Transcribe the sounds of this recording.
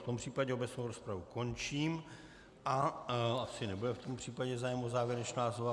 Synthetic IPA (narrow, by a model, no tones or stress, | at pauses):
t̪ompr̝̥iːpaɟɛo̞bɛt͡snowɾospɾavuko̞nt͡ʃiːm | ʔaasɪnɛbudɛft̪o̞mpr̝̥iːpaɟɛzaːjɛmozaːvjɛɾɛt͡ʃnaːzova